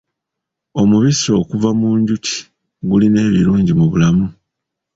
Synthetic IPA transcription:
o̞muβiso̞ːkuvamuːɲɟuci̥ | ɡuline̞ːβiɾuːɲɟimuβulamu

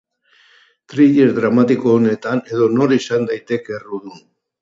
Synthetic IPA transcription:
t̪ɾiʎe̞zd̪ɾamat̪iko̞ːne̞t̪ane̞ðo̞no̞ɾisand̪ajt̪e̞keruðun

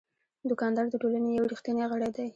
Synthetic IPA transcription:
d̪ʊkɑnd̪ɑɾd̪əʈolanejawɾixt̪əneɣəɽed̪aj

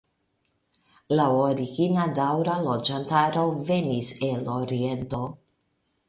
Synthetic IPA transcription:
laoɾiɡinadawɾalo̞d͡ʒantaɾove̞niseloɾie̞nto̞

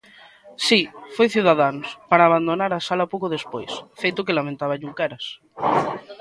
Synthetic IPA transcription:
sifojθjuðaðanospaɾaːβand̪onaɾasalapokoðespojsfejt̪okelamẽnt̪aβaʎuŋkaɾas

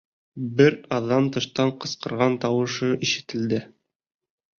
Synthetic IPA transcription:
bɘɾɑðːɑmt̪ɤ̆ʃt̪ɑɴqɤ̆sqɤ̆ɾʁɑnt̪ɑwɤ̆ʃɤʔiʃɘ̆t̪ɘ̆ld̪ɘ

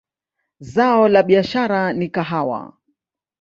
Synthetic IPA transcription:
zaɔlaɓiaʃaɾanikaɦawa̰

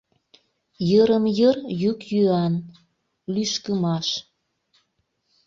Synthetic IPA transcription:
jəɾəmjərjykjyɑn | lyʃkəmɑʃ

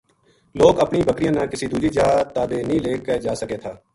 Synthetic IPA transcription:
loːkəpniːbəkɾijãːnãːkɪsiːd̪uːd͡ʒiːd͡ʒaːt̪aːd̪eːnəĩːleːkəd͡ʒaːsəkeːt̪ʰaː

